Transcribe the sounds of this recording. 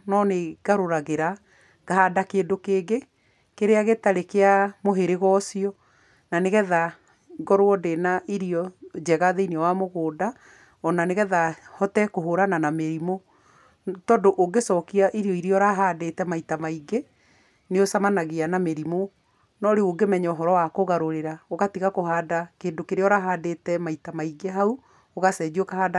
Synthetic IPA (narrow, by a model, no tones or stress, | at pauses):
nɔneɡ̥aɾoɾaɣeɾa | ɣ̥ahadakeːdokeːɡe | keɾeaɣetaɾekeamoɦeɾeɣɔsiɔ | naneɣɛða | ɡɔɾwɔdenaʔiɾiɔd͡ʒɛɣaðeinɔwamoɣoːda | ɔnaneɣɛðahɔtɛkoɦoɾananameɾimo | tɔːndoʔoɡesɔkiaʔiɾiɔiɾiɔɾaɦadetɛmaitamaiɡe | neosamanaɣeanameɾimo | nɔɾeoɡemɛɲɛoɦɔɾɔwakoɣaɾoɾeɾaoɣatiɣakohaːdakeːndokeɾeɔɾaɦaːdetɛmaitamaiɡeɦau | oɣasɛd͡ʒiɔkahaːda